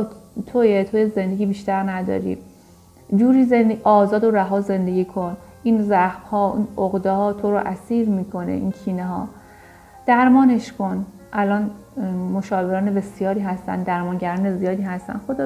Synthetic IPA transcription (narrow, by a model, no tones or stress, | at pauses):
t̪ʰojet̪ʰojeze̞nd̪e̞ɡʲiːbiːʃt̪æɾnæd̪ɒ̰ːɾḭ | d͡ʒuːɾiːzenʔɒːzɒːd̪oɾæɦɒːze̞nd̪e̞ɡʲiːkʰo̞n | ʔiːnzæxbhɒːḭnoɣd̪ehɒːt̪ʰoɾoʔæsiːɾmiːkʰo̞nḛʔiːncʰiːneɦɒː | d̪̥æɾmɒːne̞ʃkʰo̞n | ʔælɒːnmo̞ʃɒːbeɾɒːnebe̞sijɒːɾiːɦæst̪æ̰nd̪æɾmɒːnɟæɾɒːne̞zijɒːd̪iːɦæst̪æ̰nxod̪ɒ